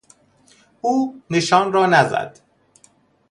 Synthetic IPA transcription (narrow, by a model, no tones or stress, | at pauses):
ʔuːneʃɒːnrɒːnæzæ̰d̪̥